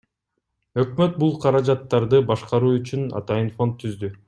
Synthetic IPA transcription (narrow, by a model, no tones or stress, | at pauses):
ø̞kmøt̪̚bulˠqʰɑɾɑd͡ʒɑt̪ːɑɾd̪ɯbɑʃqɑɾuːyt͡ʃynɑ̰t̪ɑjɯnfo̞nt̪ʰːyzd̪y